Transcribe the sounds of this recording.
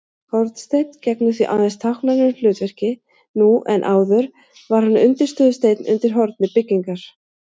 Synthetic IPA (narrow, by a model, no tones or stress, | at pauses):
hɔɾt̪nst̪ejt̪ncɛknʏθviʔa̰ːðɛnst̪ʰawhknanʏnlʏːt̪vɛr̥cɪ | nuʔɛnʔaːwðʏɾ | vaɾ̥hanːʏnt̪ɪɾ̥st̪œːðʏst̪eːjt̪nʏ̰nt̪ɪɾ̥ɦɔɾt̪nɪpɪcːiŋkaɾ̥